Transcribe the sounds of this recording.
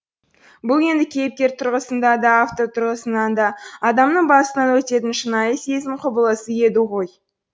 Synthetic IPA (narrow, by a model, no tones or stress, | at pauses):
bʊlˠe̞nd̪ɪkʲʰe̞jɪp̚t̪ʲe̞ɾt̪ʰʊɾʁəsənd̪ɑd̪ɑaft̪o̞t̪ʰʊɾʁəsənɑnd̪ɑːd̪ɑmnəɴbɑsənɑnwɵt̪e̞t̪ɪnʃənɑjəse̞zɪmqʰʊbəlˠəsəje̞d̪ɪʁo̞j